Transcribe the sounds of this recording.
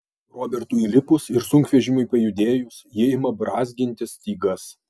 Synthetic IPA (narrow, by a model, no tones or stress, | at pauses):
ɾoːbʲɛɾt̪uːilʲɪpʊsɪɾsʊŋkʋʲɛʒʲɪmʊɪpɐjʊd̪ʲeːjʊsjɛɪmɐbɾɑːzʲɡʲɪnʲt̪ʲɪst̪ʲiːɡɐs